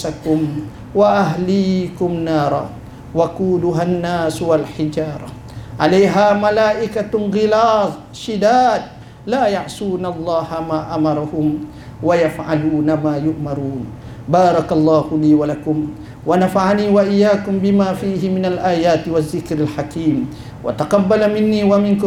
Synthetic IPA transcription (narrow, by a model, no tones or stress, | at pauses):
sakʊm | waʔaɦliːkʊmnɑːɾˤɑ̰ | wakuːlʊɦanːaːswalħɪd͡ʒɑːɾˤɑ | ʕalajɦaːmalaːʔɪkanɣɪlɑːt̪ˤ | ʃɪd̪aːd̪̚ | laːjaʕsuːnalˤːɑːhamaːʔamɑɾˤɑhʊm | wajafʕaluːnamaːjʊʔmɑɾˤuːn | bɑːɾˤɑkɑlˤːɑːhʊliːwalakʊm | wanafaʕaniːwaʔɪjːaːkʊmbɪmaːfiːɦɪmɪnalʔaːjaːt̪waðːɪkɾalħakiːm | wa̰t̪ɑqɑbːalamɪnːiːwamɪnkʊ